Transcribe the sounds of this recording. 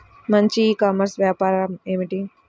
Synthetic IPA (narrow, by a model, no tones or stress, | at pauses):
mɐɲt͡ʃiːkaːmɐɾsʋjaːpaːɾɐeːmiʈi